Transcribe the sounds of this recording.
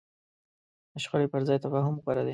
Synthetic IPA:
əʃxalepəɾzɑjt̪afɑɦʊmqaɾad̪e

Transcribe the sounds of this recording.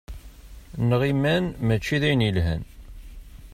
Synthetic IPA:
nəʁimːænmæt͡ʃːiðæjnilɦæ̰n

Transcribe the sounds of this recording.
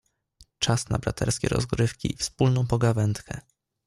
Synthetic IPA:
t͡ʂasna̰bɾat̪ʰɛɾskʲɛɾɔ̰zɡɾɘfkʲḭifspulnɔ̃w̃pɔɡavɛnt̪kʰɛ

